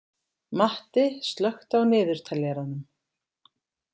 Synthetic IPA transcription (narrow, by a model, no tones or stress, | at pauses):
maht̪ɪst̪lœxt̪awnɪːðʏɾ̥t̪ʰaljɛɾanʏm